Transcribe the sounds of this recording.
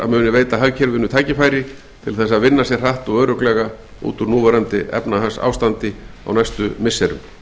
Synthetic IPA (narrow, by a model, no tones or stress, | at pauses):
a̰ðmʏːnɪveːjt̪aɦaɣcʰɛɾvɪnːʏt̪ʰaːjcɪfaːjɾɪ | t̪ʰɪlθɛsːaðvɪnːasjɛɾ̥r̥aht̪ɔɣœːɾœklɛɣa | ṵːt̪ʏɾnuːvaɾant̪ɪʔɛ̰pnaɦasa̰wst̪ant̪ɪa̰wnajst̪ʏmɪsːɛɾʏ̰m